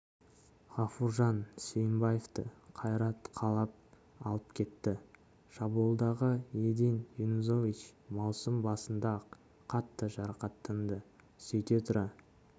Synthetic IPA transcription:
ʁɑfuɾʒɑnsʲejmbɑjeft̪əqʰɑjɾɑt̪qʰɑlˠɑp̚ | ɑlˠəp̚kʲʰe̞t̪ːɪ | ʃɑbolˠd̪ɑʁəjed̪enjunuzo̞vit͡ʃmɑwsəmbɑsənd̪ɑ | qʰɑt̪ːəʒɑɾɑqɑt̪ːənd̪ə | sɵjt̪e̞t̪ʰʊɾɑ

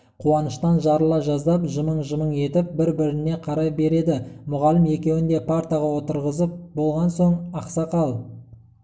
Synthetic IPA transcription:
qʰuɑnəʃt̪ɑnʒɑɾəlˠɑʒɑzd̪ɑpʒəməɴʒəməɴe̞t̪ɪp̚bɪɾbɪɾɪne̞qʰɑɾɑpbe̞ɾe̞d̪ɪmʊʁɑlɪme̞kʲe̞wɪnd̪e̞pʰaɾt̪iʁɑwo̞t̪əɾʁəzəp̚bo̞lˠʁɑnso̞ɴɑqsɑqɑlˠ

